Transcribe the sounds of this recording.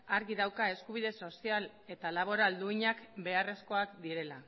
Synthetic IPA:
aɾɣiðawkae̞skuβ̞iðe̞so̞sial | e̞t̪alaβ̞o̞ɾald̪uiɲakbe̞are̞sko̞akd̪iɾe̞la

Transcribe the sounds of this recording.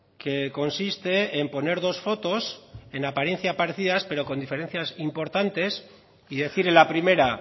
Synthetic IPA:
ke̞ko̞nsist̪e̞ːmpo̞ne̞ɾð̞o̞sfo̞t̪o̞se̞napaɾje̞n̟θjapaɾe̞θiðaspe̞ɾo̞ko̞nd̪ife̞ɾe̞nθjasimpo̞ɾt̪ant̪e̞s | iðe̞θiɾelapɾime̞ɾa

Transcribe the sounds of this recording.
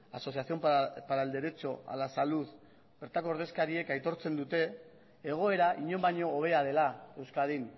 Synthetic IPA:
aso̞siasio̞mpaɾald̪e̞ɾe̞t͡so̞a̰lasaluð | b̥e̞ɾt̪akoɾðe̞skaɾie̞kajt̪o̞ɾt͡se̞nd̪ut̪e̞ː | ɣ̞o̞e̞ɾaʔiɲo̞mbaɲo̞ːβ̞e̞að̞e̞lae̞wskaðin

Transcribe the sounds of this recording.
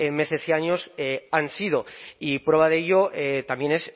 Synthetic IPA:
eme̞se̞siaɲo̞seansið̞o̞ipɾe̞βaðeeʎoʔet̪ambje̞ne̞s

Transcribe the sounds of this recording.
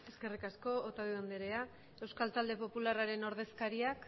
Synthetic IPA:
e̞ske̞rikasko̞ot̪aðiond̪eɾe̞a | e̞wskalt̪ald̪e̞po̞pularaɾe̞no̞ɾð̞e̞skaɾiak

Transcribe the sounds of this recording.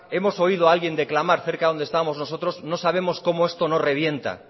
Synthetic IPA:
e̞mo̞so̞ið̞oalɣje̞nd̪eklamaɾθe̞ɾkaðo̞nd̪est̪amo̞zno̞s̬o̞t̪ɾo̞zno̞saβe̞mo̞sko̞moe̞st̪o̞no̞re̞β̞je̞nt̪a̰

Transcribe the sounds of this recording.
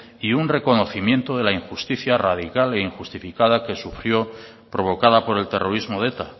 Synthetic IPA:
iunre̞ko̞no̞θimje̞nt̪o̞ð̞e̞laiŋxust̪iθjarað̞ikale̞iŋxust̪ifikað̞ake̞sufɾjo̞ | pɾo̞β̞o̞kað̞apo̞ɾe̞lt̪e̞rʔo̞ɾizmo̞ðet̪a

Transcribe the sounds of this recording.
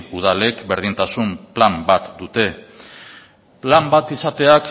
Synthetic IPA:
uð̞ale̞kbe̞ɾð̞int̪asumplambat̪d̪ut̪e̞ | plambat̪isat̪e̞ak

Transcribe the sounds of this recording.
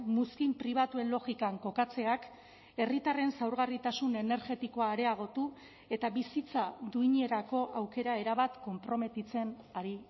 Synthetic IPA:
muskimpɾiβ̞at̪ue̞nlo̞ɣikaŋko̞kat͡se̞ak | e̞rit̪are̞nsawɾɣarit̪asune̞ne̞ɾɣe̞t̪iko̞aːɾe̞aɣ̞o̞t̪u | e̞t̪aβisit͡saðuiɲe̞ɾako̞ʔawke̞ɾae̞ɾaβat̪ko̞mpɾo̞me̞t̪it͡se̞n | aɾi

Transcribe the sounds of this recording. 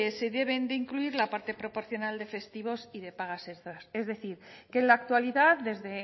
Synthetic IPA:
eseðe̞β̞e̞nd̪eiŋkluiɾlapaɾt̪e̞pɾo̞po̞ɾθjo̞nald̪e̞fe̞st̪iβ̞o̞siðe̞paɣ̞ase̞st̪ɾase̞zðe̞θiɾke̞nlaːk̚t̪waliðaððe̞zðe̞

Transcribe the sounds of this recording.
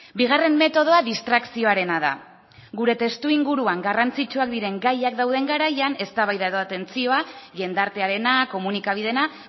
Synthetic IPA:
biɣare̞mme̞t̪o̞ð̞o̞aðist̪ɾaksio̞aɾe̞naða̰ | ɣuɾe̞t̪e̞st̪uiŋɡuɾuaŋɡarant͡sit͡ʃuak̚d̪iɾe̞ŋɡajakd̪awðe̞ŋɡaɾajane̞st̪aβajðaeðoat̪e̞nt͡sio̞aʎe̞nd̪aɾt̪e̞aɾe̞nako̞munikaβ̞iðe̞na

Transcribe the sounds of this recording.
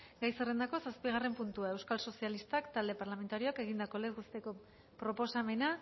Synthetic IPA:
ɡajsere̞nd̪ako̞saspiɣ̞are̞mpunt̪uae̞wskalso̞sialist̪akt̪ald̪e̞paɾlame̞nt̪aɾio̞ake̞ɣ̞ind̪ako̞le̞zɣust̪eko̞ | pɾo̞po̞same̞na

